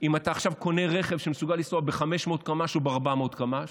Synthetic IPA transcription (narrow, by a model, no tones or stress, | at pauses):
imataːχʃavko̞ne̞ʁe̞χe̞vʃemesuɡalːisoabeχame̞ʃmeot̚kamaʃobeaʁbamotkamaʃ